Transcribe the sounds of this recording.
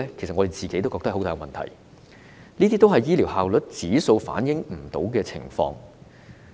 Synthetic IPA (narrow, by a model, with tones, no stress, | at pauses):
ɛː˥kʰe˨˩jsɐ˨t̚ɔ˧d̪e˨jt͡siː˨ke˨˥jt̪o˥wkɔː˧kt̪ɐ˥hɦo˥t̪aː˨˧ɡmɐ̰˨nt̪ʰɐ̰˨˩j | niː˥t̪iː˥t̪o˥wɦɐ˨jːiː˥liː˨˩whaː˨wlɵ˨˥t̚t͡siː˨˥so˧wfa̰ː˨˥njɪ˨˥ŋm̩˨˩t̪o̰˨˥wkɛː˧t͡sʰɪ̰˨˩ŋfɔ̰ː˧ŋ